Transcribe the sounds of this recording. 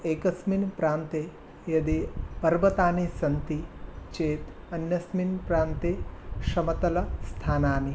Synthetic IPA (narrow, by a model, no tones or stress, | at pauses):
eːkɐsminpɾaːnt̪e | jɐd̪ipɐɾʋɐt̪aːnisɐnt̪it͡ʃeːt̪ | ɐnjɐsminpɾaːnt̪eʃɐmɐt̪ɐlɐst̪ʰaːnaːni